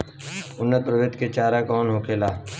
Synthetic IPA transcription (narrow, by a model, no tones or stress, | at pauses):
ʊnːət̪̚pɾəʋet̪ket͡ʃaːɾakɔːnɦokʰeːlaː